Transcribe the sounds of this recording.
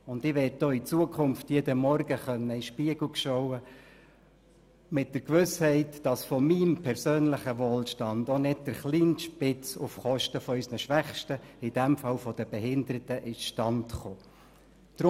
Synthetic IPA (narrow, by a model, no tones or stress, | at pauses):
ʊndɪʋɛːt̚d̥oːit͡suəkʰʊmftjeːdəmɔɾɡ̥əχœnːəɪʃpiəɡ̥l̩kʃɔʊə | mɪt̚d̥əɾkʋʏshɛɪtd̥ɑsfɔmimpʰɛɾsøːnlɪχəʋoːlʃtɑndonɪd̚d̥əɾχliːnʃpɪt͡sʊfχɔʃtəfɔœsnəʃʋæχʃtəɪd̥ɛmfɑlfɔd̥əb̥ɛɦɪndəɾətəʔɪsʃtɑntχoː | d̥ɾ